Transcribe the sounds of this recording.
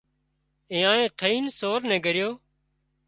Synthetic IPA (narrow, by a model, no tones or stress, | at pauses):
ẽːãːẽːt̪ʰəiːnsoːɾnɛ̃ːɡʱəɾɪjoː